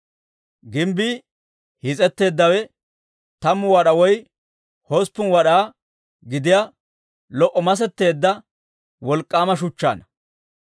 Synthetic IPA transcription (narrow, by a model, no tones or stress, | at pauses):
ɡɪmbi | hɪt͡sʼɛt̪ːe̞ːd̪ːɐwɛ | t̪ɐmːʊwɐɗɐwɔj | hospːʊnwɐɗaː | ɡɪd̪ɪja | lɔʔːɔmɐs̬ɛt̪ːe̞ːd̪ːɐ | wɔlkʼːaːmɐʃʊt͡ʃːa̰ːnɐ